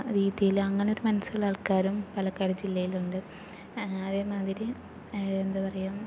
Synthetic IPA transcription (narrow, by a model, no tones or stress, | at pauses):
ɾiːðjijilɐŋːɐneoɾumɐnɐsuɭːaːɭkaːɾumpɐlɐkːaːɾɐd͡ʑilːɐjiluɳɖɨ | ɐðeːmaːd̪iɾi | end̪ɨpɐrɐjum